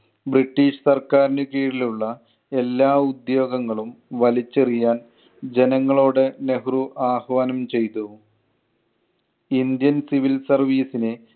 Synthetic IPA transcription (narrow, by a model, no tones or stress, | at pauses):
briʈːiːʂsɐrkaːɾinɨkiːɽiluɭːɐ | e̞lːaːud̪jo̞ːɡɐŋːɐɭumʋɐlit͡ɕːɐrijaːn | d͡ʑe̞nɐŋːɐɭo̞ːɽɨne̞hruʔaːhɐʋaːnɐmt͡ɕe̞jt̪u | ind̪jɐnsiʋilsɐrʋiːsine